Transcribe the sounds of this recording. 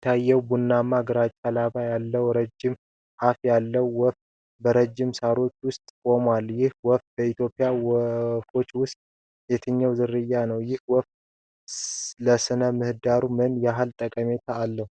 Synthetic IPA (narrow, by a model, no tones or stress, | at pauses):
t̪ʰːajːɛwbunːamːaɡəɾat͡ʃʼːalaβajalːəwɾəd͡ʒːɪm | hafjalːəwːɔft̪ | bəɾəd͡ʒːɪmsaɾo̞t͡ʃːwʊst̪ʼkʼo̞mwaljɪhwɔft̪̚bəit̪jopʼːɪjawfo̞t͡ʃːwʊst̪ʼ | jɛt̪ʰɨɲːəwzɨɾɨjːanəwjɪhwɔft̪ | ləsɨnəmɨhɨd̪aɾumɨnjɦalt̪ʼəkʼəme̞t̪ʰaːlːəhu